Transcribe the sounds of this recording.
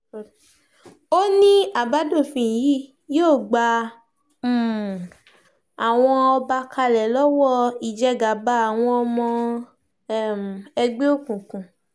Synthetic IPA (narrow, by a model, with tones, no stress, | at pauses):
o˦nĩ˦a˦˨ba˨˦do˦˨fĩ˧˨ji˦ | joː˦˨ɡ͡ba˧ | m̩˦˨ | a˨w̃ɔ̃˧ɔ˧ba˧ka˧lɛ˨lɔ˦wɔ˦˨i˨d͡ʒɛ˦ɡa˨ba˦a˨w̃ɔ̃˧ɔ˧mɔ̃˧˦˨ | m˨ɛ˧ɡ͡be˦o˦˨kũ˨kũ˨